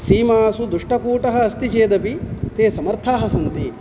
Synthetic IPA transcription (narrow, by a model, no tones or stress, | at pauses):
siːmaːsud̪uʂʈɐkuːʈɐɦɐ̆ːst̪it͡ʃeːd̪ɐpit̪eːsɐmɐɾt̪ʰaːɦɐsɐnt̪i